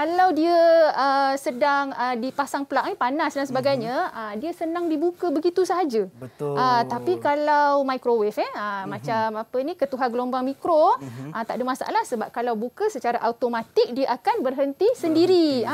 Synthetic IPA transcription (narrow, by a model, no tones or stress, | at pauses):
kalawdiəəsədaŋədipasaŋpəlak̚nipanasdansəbaɡajɲə̃ədiəsənaŋdibukəbəɡit̪usəɦad͡ʒəʔət̪apikalawmajkɾowɛfɛəmãt͡ʃamapənĩkət̪uɦanɡəlombaŋmikɾoʔət̪a̰ʔdəmasa̰ʔa̰lahsəbap̚kalawbukəsət͡ʃaɾaʔaut̪omat̪ik̚diəʔakanbərɦənt̪isəndiɾi